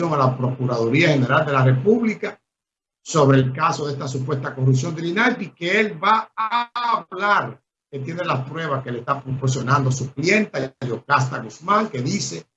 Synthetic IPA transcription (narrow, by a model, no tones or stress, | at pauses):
oŋalapɾo̞kuɾaðoɾiahe̞ne̞ɾald̪e̞lare̞puβlika | so̞βɾe̞ːlkaso̞ðest̪as̬upwe̞st̪akorus̬jo̞nd̪elinalpikeelβaaβlaɾ | ke̞t̪je̞nelaspɾwe̞β̞askelest̪apɾopo̞ɾsjo̞nãnd̪oasuklje̞nt̪aʝo̞kast̪aɣusmãŋke̞ðise̞